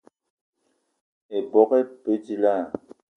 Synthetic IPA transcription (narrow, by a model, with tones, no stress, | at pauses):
e˨bɔ˨˦kɛ˦pe˦ti˦˨la˦˨